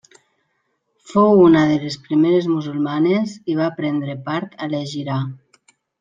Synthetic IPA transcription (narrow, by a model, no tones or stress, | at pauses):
fowunaðelespɾimeɾezmuzulˠmaneziβ̞aːpɾɛnd̪ɾepaɾt̪aleʒiɾa